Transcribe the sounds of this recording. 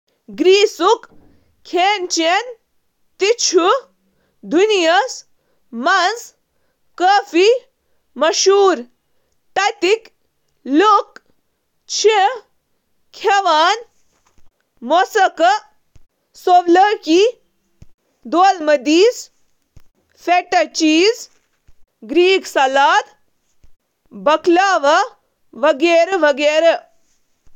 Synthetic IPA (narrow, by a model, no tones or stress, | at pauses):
ɡɾiːsuk | kʰeːnt͡ʃen | t̪it͡ʃʰu | d̪ʱunijɐs | mɐnz | kəːfi | mɐʃuːɾ | ʈ̪ɐt̪ik | luk | t͡ʃʰe | kʰeʋaːn | mosɐkɐ | soʋləki | d̪oːlmɐd̪iːs | feʈɐt͡ʃiːz | ɡɾiːksɐlaːd̪ | bɐklaːʋɐ | ʋɐɡeːɾɐʋɐɡeːɾɐ